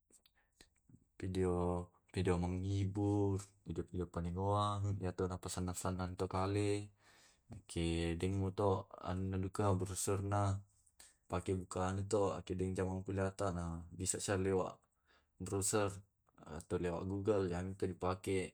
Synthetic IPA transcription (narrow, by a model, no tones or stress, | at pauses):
pideo | fideoməŋiburbideofidiopaniŋoajat̪anahpasanːasanant̪okali | akʰɛdɛŋmut̪oa̰nunadukabəɾusərnah | pakɛbukaːnut̪oa̰kɛdɛŋd͡ʒamaŋpuliat̪anabisaʔsarlewa̰ʔ | bəɾusər | a̰t̪awlewa̰ʔɡuɡəljanit̪odipakɛʔ